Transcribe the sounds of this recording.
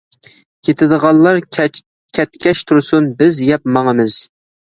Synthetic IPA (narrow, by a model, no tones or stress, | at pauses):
kʲʰet̪ʰɪd̪əʁɑlˠlːɑɾ | kʲʰɛt̪kʲʰɛʃt̪ʰuɾsunbɪzjɛp̚mɑŋəmɪz̥